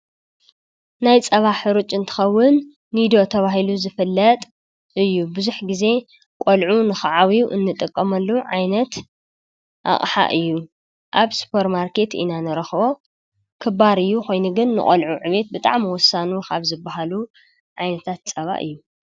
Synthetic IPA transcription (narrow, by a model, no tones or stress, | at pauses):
najt͡sʼɐβaħɨɾut͡ʃʼɨnt̪ʰɨ̥xɐwːʊnː | id̪o̞t̪ʰɐβaɦiluzɨfɨlːɐt̪ʼ | ʔɨjːubɨzuħɡize̞ | kʼolʕunɨxɨʕawiuʔɨ̰nːɨt̪ʼɨkʼːɐmɐlːuʕajnɐt̪ | ʔa̰χʼħa̰ʔɨjːu | ʔaβsu̥pʰɐɾmaɾkʰe̞t̪ḭnanɨɾɐxbo̞ | kʰɨbaɾɨjːuxo̞jnuɡɨnːɨ̰χʼɔ̰lʕuʕɨβe̞t̪̚bɨt̪ʼa̰ʕmiwɔsːanukʰaβzɨbːaɦalu | ʕajnɐt̪ʰat̪t͡sʼɐβa̰ʔɨ̰jːu